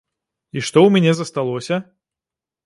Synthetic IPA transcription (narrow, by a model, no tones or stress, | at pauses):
iʂt̪ɔwmʲɛnʲɛzɐst̪alˠɔsʲɐ